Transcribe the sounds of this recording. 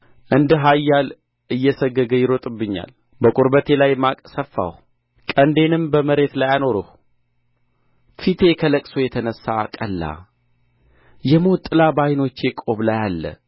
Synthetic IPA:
ʔɨnd̪ɦajːal | ɨjːɛsəɡːəɡəjɪɾo̞t̪ʼɨbːɨɲːa̰l | bəkʼuɾbət̪ʰe̞lajmakʼsəfːa̰h | kʼənd̪e̞nɨmbəməɾe̞t̪lajano̞ɾəh | fit̪ʰe̞kʰələkʼso̞jɛt̪ʰənəsːaːkʼəlːa̰ | jɛmot̪ʼːɨlabajno̞t͡ʃːe̞kʼo̞βlajalːə̰

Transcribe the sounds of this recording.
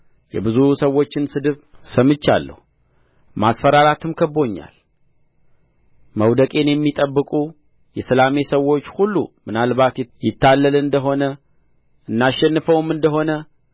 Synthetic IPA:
jɛ̰bɨzusəwːo̞t͡ʃːɪnsɨd̪ɨβsəmɨt͡ʃːa̰lːə̰hu | masfəɾaɾat̪ʰɨmkʰəbo̞ɲːa̰l | məwd̪əkʼe̞njɛmːit̪ʼəbːɨkʼu | jɛsɨlame̞səwːo̞t͡ʃːhulːumɨnalβat̪jjɪt̪ʰːalːəlɨnd̪əɦo̞nə | ʔɨnːaʃːɛnːɨfəwɨmɨnd̪əɦo̞nə

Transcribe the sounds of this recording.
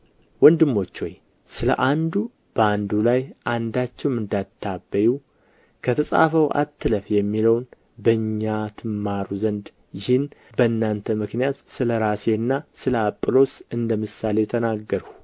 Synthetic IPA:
wɔnd̪ɨmːo̞t͡ʃːoj | sɨlə̰ʔand̪u | b̥əand̪ulajʔand̪at͡ʃːɛwmɨnd̪at̪ʰːabːəju | kʰət̪ʰəsʼa̰fəwʔa̰t̪ːɨləfjɛmːiləwn | bəɨɲːat̪ʰɨmːaɾuzənd̪ | jɪhɪnbəɨnːant̪ʰəmɨknijat̪sɨləɾase̞ɨnːasɨləapʼːɨlo̞sɨnd̪əmɨsale̞t̪ʰənaɡːəɾəw

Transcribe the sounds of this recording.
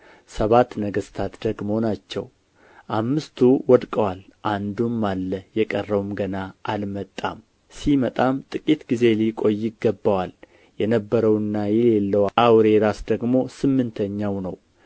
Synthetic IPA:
səβat̪ːnəɡəst̪ʰat̪d̪əɡmo̞nat͡ʃːɛ̰w | ʔamːɨst̪ʰuwɔd̪kʼəwalʔand̪umːalːəjɛkʼərːəwmɡənaʔalmət̪ʼːa̰m | simət̪ʼamt̪ʼɨkʼit̪ɡize̞likʼo̞jːɪɡːəbːəwal | jɛnəbːəɾəwɨnːajɛlelːəwʔawɾe̞ɾasd̪əɡmo̞sɨmːɨnt̪ʰəɲːawnəw

